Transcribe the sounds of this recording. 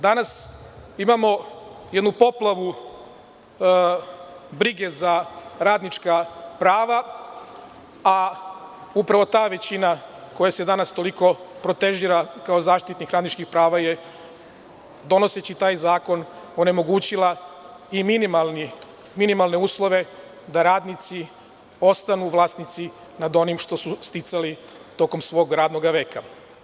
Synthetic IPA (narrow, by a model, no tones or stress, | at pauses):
d̪anasimamo̞je̞d̪nupo̞plˠaʋu | bɾiɡe̞zaɾaːd̪nit͡ʃkapɾaːʋa | a | upɾaʋo̞t̪aːʋe̞t͡ɕinako̞jase̞d̪anast̪o̞liko̞pɾo̞t̪e̞ʒiːɾakao̞zaːʃt̪it̪nikɾaːd̪nit͡ʃkixpɾaːʋaje̞ | d̪o̞no̞se̞t͡ɕit̪aːjzaːko̞no̞ne̞mo̞ɡuːt͡ɕilˠa | iminimalni | minimalˠne̞uːslˠo̞ʋe̞ | d̪aɾaːd̪nit̪si | o̞st̪anuʋlˠaːst̪nit̪si | nad̪o̞nimʃt̪o̞sust̪it̪sali | t̪o̞ko̞msʋo̞ɡɾaːd̪no̞ɡaʋe̞ːka